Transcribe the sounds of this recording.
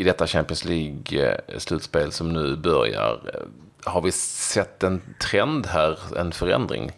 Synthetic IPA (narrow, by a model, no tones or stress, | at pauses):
ɪd̪ɛt̪ːaɕæmpɪənsliːɡslʉ̟ːt̪speːlsɔmnʉ̟ːbœɾja̰ɾ | haɾvɪsɛt̪ːɛnt̪ʰɾɛnd̪ɦæːɾɛ̰nfœɾɛ̰nd̪ɾɪ̰ŋ